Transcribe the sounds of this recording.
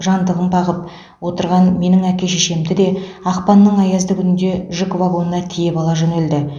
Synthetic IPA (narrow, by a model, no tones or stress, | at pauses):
ʒɑnd̪əʁəmbɑʁəp̚ | wo̞t̪əɾʁɑnme̞nɪŋækʲe̞ʃeʃe̞md̪ɪd̪e̞ɑqpɑnːəɴɑjɑzd̪əkʲʰʏnɪnd̪e̞ʒʏkvaɡo̞nnɑt̪ʰije̞bɑlˠɑʒɵneld̪ɪ